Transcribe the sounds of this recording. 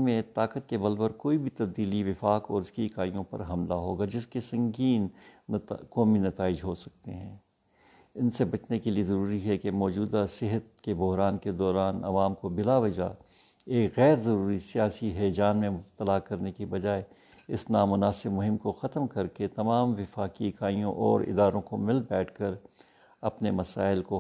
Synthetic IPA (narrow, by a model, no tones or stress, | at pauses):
mẽt̪aːkət̪̚kebɐlbəɾkoːibʱit̪ɐb̚d̪iːliʋɪfaːkɔːɾɪskikaːijõpɐ̰ɾɦɐmlaɦo̰ːɡad͡ʒɪskesɐ̃ŋɡiːnː | kɔːminɐt̪aːɪd͡ʒɦosɐk̚t̪eɦɛ̰̃ː | ɪnsebɐt͡ʃnekeliezɐɾuːɾiɦɛkemɔːd͡ʒuːd̪asɪɦət̪̚kebʊɦɾaːnked̪ɔːɾaːnɐ̰ʋaːmkobɪlaʋɐd͡ʒa̰ | eːkɣɛːɾzɐɾuːɾisijaːsiɦɛːd͡ʒaːnmẽmʊbt̪əlakɐɾnekibɐd͡ʒaːe | ɪsnaːmʊnaːsɪbmʊɦɪ̃mkoxɐt̪mkɐɾket̪ɐmaːmʋɪfaːkikaːijõʔɔ̰ːɾɪ̰d̪aːɾõkomɪlbɛːʈʰkɐɾ | ɐpnemɐsaːɪlko